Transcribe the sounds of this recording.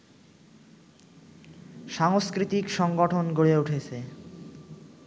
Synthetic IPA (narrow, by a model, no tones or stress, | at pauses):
ʃaŋoskɾit̪ikʃɔŋɡoʈʰonɡoɭeuʈʰet͡ɕʰe